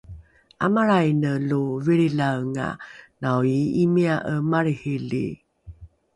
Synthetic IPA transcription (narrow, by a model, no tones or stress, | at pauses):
ʔa̰maɾajnəluviɾilaŋa̰nawiimiaʔəmaɾihilḭ